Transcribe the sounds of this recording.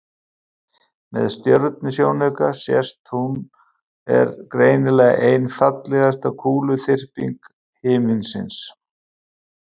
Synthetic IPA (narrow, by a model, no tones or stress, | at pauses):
mɛ̰ðst̪jœɾt̪nʏsjoːwnɛkasjɛst̪hun | ɛ̰ɾkɾeːjnɪlɛɣʔejnfat̪lɛɣast̪akʰuːlʏθɪr̥pḭŋk | hɪːmɪnsɪ̰ns